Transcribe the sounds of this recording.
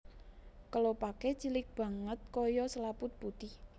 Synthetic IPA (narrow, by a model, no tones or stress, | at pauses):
kəlopaket͡ʃilɪk̚b̥a̤ŋət̪̚kɔjɔsəlapʊt̪̚b̥ut̪ɪh